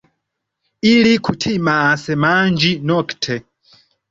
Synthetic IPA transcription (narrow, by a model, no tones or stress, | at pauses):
ilikʰutʰimaːsɛmand͡ʒinɔktʰɛ